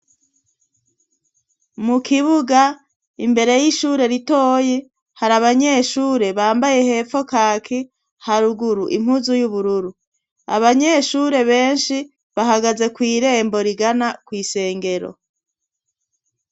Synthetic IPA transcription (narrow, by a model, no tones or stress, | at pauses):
mukiβuɡa | imbe̞ɾe̞jiʃuːɾe̞ɾito̞ːje | haɾaβaɲe̞ʃuːɾe̞βaːmbaje̞he̞fo̞kaːkʰi | haɾuɡuɾuʔim̥huzujuβuɾuɾu | a̰βaɲe̞ʃuɾe̞βe̞ːnʃi | βaɦaɡaze̞kwiːɾe̞ːmbo̞ɾiɡanakwiːse̞ːŋɡe̞ɾo̞̰